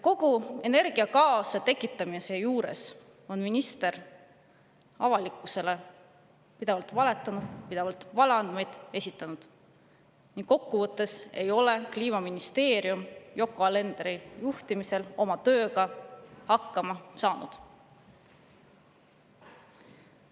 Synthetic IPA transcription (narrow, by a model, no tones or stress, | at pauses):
ko̞ɡ̥ue̞ne̞rɡ̥iɑkɑːsɑt̪e̞kːˑit̪ˑːɑmise̞juːɾe̞̰s | o̞nminist̪e̞ɾ | ɑvɑlikːˑuse̞le̞ | pid̪̥e̞vɑlt̪vɑle̞t̪ːˑɑnud̪̥pid̪̥e̞vɑlt̪vɑlɑnd̪̥me̞jd̪̥e̞sʲit̪ːˑɑnud̪̥ | niŋɡ̥kːo̞kːuvɤt̪ːe̞se̞jo̞le̞kliːmɑminist̪e̞ːɾiumjo̞kːˑoɑle̞nd̪̥eɾijuht̪imise̞lo̞mɑt̪øːɡɑhɑkːɑmɑsɑːnṵd̪̥